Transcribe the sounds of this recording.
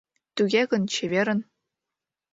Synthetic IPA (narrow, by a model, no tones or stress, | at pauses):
t̪yɡʲeɡɤ̆nt͡ɕeβʲeɾʲɘ̆n